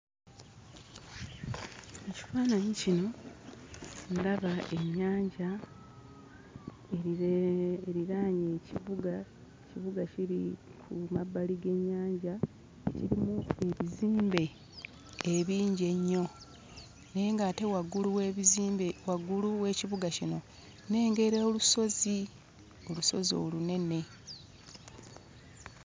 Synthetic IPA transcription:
eci̥faːnaɲicino̞ | nlaβaʔe̞ɲːaːɲɟa | e | eɾiɾaːɲe̞iβuɡa | ciβuɡaciɾḭkʰumabːaliɡe̞ɲːaːɲɟa | eciɾimue̞βiziːmbe̞ː | βiːɲɟe̞ɲːo̞ | ne̞ːŋɡate̞waɡulu | waɡuluwe̞ːciβuɡacino̞ | ne̞ːŋɡe̞ɾeoluso̞zi | o̞luso̞̰zio̞̰ːlune̞ne̞

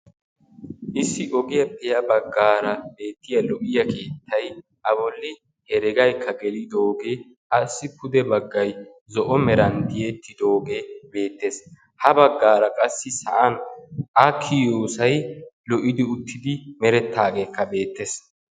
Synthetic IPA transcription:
ʔɪsːɪʔɔɡɪjɐpʼɛjɐbɐɡːaːɾɐbe̞ːt̪ːɪjɐlɔʔɪjɐkʰe̞ːt̪ʰːɐj | ʔɐbɔlːɪ | hɛɾɛɡɐjkʰːɐɡɛlɪd̪oːɡe | ɐsːɪpʰʊd̪ɛbɐɡːɐj | zɔʔɔmɛɾɐnd̪ɪjet̪ːɪd̪o̞ːɡebe̞ːt̪ːe̞s | hɐbɐɡːaːɾɐkʼɐsːɪsɐʔɐnʔɐkʰːɪjoːsɐjlɔʔɪd̪ɪʊt̪ːɪd̪ɪmɛɾɛt̪ʰːaːɡe̞ːkːɐbe̞ːt̪ːes

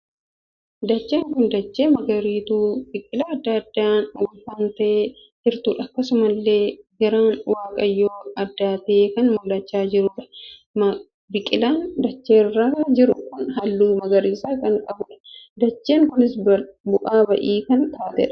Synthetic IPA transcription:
d̪ɐt͡ʃːeːŋkʊnd̪ɐt͡ʃːeːmɐɡɐɾiːt̪uːbɪkʼːɪlaːɐd̪ːɐɐd̪ːaːnwɐlfaːnt̪ɐʔeː | d͡ʒɪɾt̪uːᶑɐɐkːɐsʊmɐlːe̞ːɡɐɾaːnwaːkʼɐjːoːɐd̪ːaːt̪ɐeːkɐnmʊlːɐt͡ʃːaːd͡ʒɪɾʊᶑɐ̥ | m | bɪkʼɪlaːnd̪ɐt͡ʃːeːrːaɐd͡ʒɪɾʊkʊnɦɐlːuːmɐɡɐɾiːsaːkɐŋkʼɐbʊᶑɐ̥d̪ɐt͡ʃːeːŋkʊnɪsbʊʔaːbɐʔiːkɐnt̪aːt̪ɛ̰ᶑɐ̥

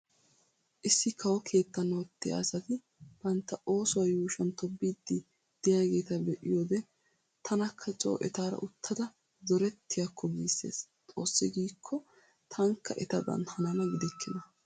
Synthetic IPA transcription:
ʔɪsːɪkʰɐwɔkʰe̞ːt̪ːɐnːɐwɔt̪ːɪja̰ːsɐt̪ɪ | b̥ɐnt̪ːɐo̞ːsʊwɐjuːʃɐnt̪ɔbːiːd̪ːɪ | d̪̥ɪjaːɡe̞ːt̪ɐbɛʔɪjoːd̪ɛ | t̪ʰɐnɐkʰːɐt͡ʃʼo̰ːʔɛt̪aːɾɐ̰ʔʊt̪ʰːɐd̪ɐ | zɔɾɛt̪ʰːɪjakːɔɡiːsːe̞̰ːst̪ʼoːsːɪɡiːkʰːɔ | t̪ʰɐŋkʰːɐʔɛt̪ɐd̪ɐ̰nhɐnɐnɐɡɪd̪ɛkʰːɪnɐ

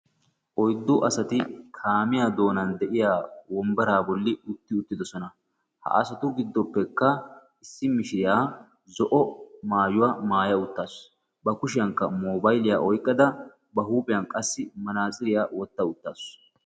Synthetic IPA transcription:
ʔɔjd̪ːʊʔɐsɐt̪ɪkʰaːmɪjaːd̪o̞ːnɐnd̪ɛʔɪjaːwɔmbɐɾaːbɔlːɪʊt̪ːɪʊt̪ːɪd̪ɔsɔnɐ | hɐ̰ʔɐ̰sɐt̪ʊɡɪd̪ːɔpːɛkːɐ | ɪsːɪmɪʃɪjaː | zɔʔɔmaːjʊwaːmaːjɐʊt̪ːaːs | bɐkʊʃɪjɐŋkːɐmoːbɐjlɪjaːʔɔjkʼːɐd̪ɐ | bɐhuːpʼɪjɐnkʼɐsːɪmɐnaːsʼɪɾɪjaːwɔt̪ːɐʊt̪ːaːs

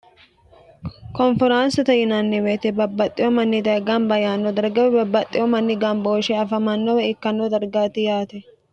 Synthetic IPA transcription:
kɔnfɪɾaːnsɐt̪ɐjɪnanːɪweːt̪ɛbɐbːɐt̪ʼːɪjɔmɐnːɪd̪ɐɡanbɐjaːnːɔd̪ɐɾɡɐwɛbɐbːɐt̪ʼːɪjɔmɐnːɪɡɐmboːʃɛɐfɐmɐnːɔwɛɪkːɐnːɔd̪ɐɾɡaːt̪ɪjaːt̪ɛ

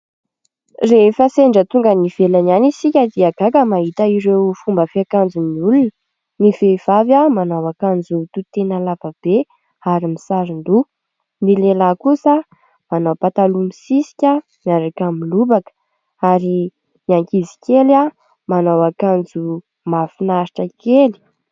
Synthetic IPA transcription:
refəseɳɖ͡ʐət̪uŋɡəniv̥elananisikʲad̪iaɡ̥akəmaɦit̪əiɾewfumbəfeakand͡zuniulunə | niveiv̥avamanawakand͡zut̪ut̪enəlavab̥e | aɾimisaɾind̪u | nilelakusa | manowpat̪alumisisi̥kʲa | miaɾakamilubakə̥ | aɾi | niaŋkizi̥kʲela | manawakand͡zu | mafinaɾiʈ͡ʂəkeli̥

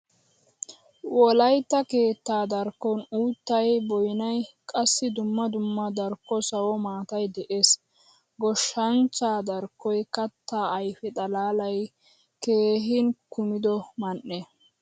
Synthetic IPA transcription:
wɔlɐjt̪ːɐke̞ːt̪ːaːd̪ɐɾkːɔnuːt̪ːɐjbɔjɪnɐjkʼɐsːɪd̪ʊmːɐd̪ʊmːɐd̪ɐɾkːɔsɐwɔmaːt̪ɐjd̪ɛʔe̞ːs | ɡɔʃːɐnt͡sːaːd̪ɐɾkːɔjkɐt̪ːaːjfɛt̪ʼɐlaːlɐj | ke̞ːɦɪnkʊmɪd̪ɔmɐnːe

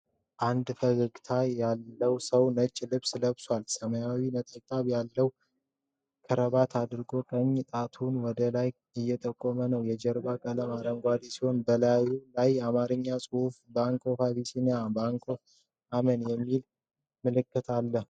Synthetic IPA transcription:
ʔand̪fəɡɨɡʼt̪ʰajalːəwsəwnət͡ʃʼːlɨβsləβswalsəməjawinət̪ʼəkt̪ʼaβjalːəw | kʰəɾəβat̪ʰad̪ɨɾɡo̞kʼəɲːt̪ʼat̪ʰunwɔd̪əlaj | ɨjːɛt̪ʼəkʼːomənəwjɛd͡ʒɛɾbakʼələmaɾəŋɡʷad̪esiho̞nbəlajulajamaɾɨɲːasʼɨhufbaŋkʰʼo̞faβisinabaŋkʼʰo̞ | amənjɛmːil | mɨlɨkːɨt̪ʰalːəh

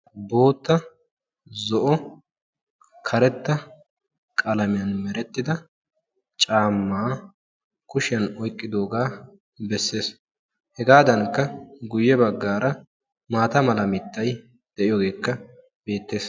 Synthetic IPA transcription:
bo̞ːt̪ːɐ | zɔʔɔ | kʰɐɾɛt̪ːɐ | kʼɐlɐmɪjɐnmɛɾɛt̪ːɪd̪ɐ | t͡ʃʼaːmːaː | kʊʃɪjɐnɔjkʼːɪd̪o̞ːɡaː | bɛsːe̞ːs | hɛɡaːd̪ɐŋkːɐɡʊjːɛbɐɡːaːɾɐ | maːt̪ɐmɐlɐmɪt̪ːɐj | d̪̥ɛʔɪjɔɡe̞ːkːɐ | be̞ːt̪ːe̞ːs

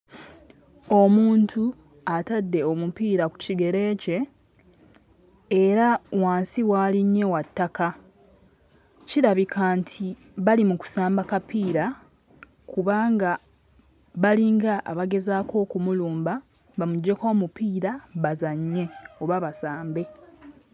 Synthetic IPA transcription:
o̞muːntʰu | atadːe̞o̞mupiːɾaku̥ciɡe̞ɾe̞ːce̞ | ɾawaːnsiwaːliɲːe̞watːaka | ciɾaβikʰaːntʰi | βalimuku̥saːmbakapiːɾa | kuβaːŋɡa | βaliːŋɡaʔːβaɡe̞zaːkʰo̞ːkumuluːmba | βamuɟːe̞ko̞ːmupiːɾaβazaɲːe̞oβaβasaːmbe̞

